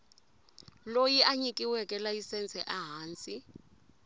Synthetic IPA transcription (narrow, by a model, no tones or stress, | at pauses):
lojiʔaɲikiwɛkʼɛlajisɛnt͡sʼɛʔaɦaːnt͡sʼi